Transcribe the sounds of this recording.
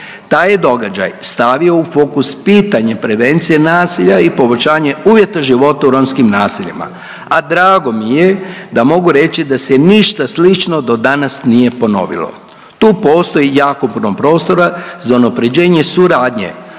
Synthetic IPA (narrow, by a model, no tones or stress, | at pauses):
t̪aːjed̪o̞ɡad͡ʑa̰jst̪aʋio̞ufo̞ːkuspiːt̪aɲapɾe̞ʋe̞nt̪sije̞naːsiʎaipo̞bot͡ʃaːɲeuːʋje̞t̪aʒiʋo̞t̪auɾomskimnaːsiʎima̰ | ad̪ɾaːɡo̞mije̞d̪amo̞ɡuɾe̞t͡ɕid̪aseniʃt̪aslit͡ʃno̞d̪o̞d̪anasnije̞po̞no̞̰ʋḭlo̰ | t̪uːpo̞ːst̪o̞ijaːkopuɾnompɾo̞ːst̪o̞ɾazaunapɾe̞d͡ʑe̞ːɲe̞suɾaːd̪ɲḛ